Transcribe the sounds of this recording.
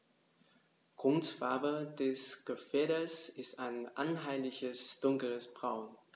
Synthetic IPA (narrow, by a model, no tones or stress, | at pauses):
ɡ̥ʁ̥ʊntfaɐbədɛsɡ̥əfɛːɐɾəsɪstaɪnʔanɦaɪlɪçəsd̥ʊŋkləsb̥ʁaʊn